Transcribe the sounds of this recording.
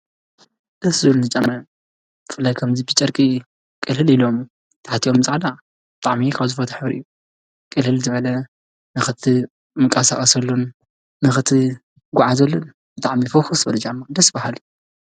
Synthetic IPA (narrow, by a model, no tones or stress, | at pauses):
d̪ɨszɨlnɨt͡ʃʼɐmːɐ | b̥ɨfɨlːajkʰɐmzibɨt͡ʃʼɐɾkʼi | kʼɨlhɨlilomu | t̪ʰaħat̪ʰiʔo̞mzaʕla | b̥ɨt̪ʼaʕmikʰaβzɨfɐt̪ʰɐħɨbɾʔɨ̰jːu | kʼɨlhɨlzɨβɐlɐ | nɨxɨt̪ʰi | mɨŋkʼɐsaxʼɐsɐlːunː | ɨxɨt̪ʰɨ | ɡʷʊʕazɐlːun | b̥ɨt̪ʼaʕmifoxusbɐlɐd͡ʒamːad̪ɐsbahal